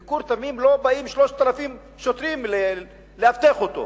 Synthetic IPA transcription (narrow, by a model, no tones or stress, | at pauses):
kuɾt̪amimlo̞baimʃloʃt̪ːalafim | ʃot̪ʁimle | leaft̪eχot̪o̰